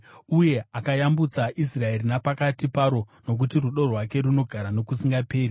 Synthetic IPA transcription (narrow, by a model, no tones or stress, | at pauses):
uje̞akajambut͡saʔisrae̞rinapakatipaɾo̞no̞k̬utiruɗo̞rwake̞ɾuno̞ɡʱaɾano̞kusiŋɡape̞ːɾi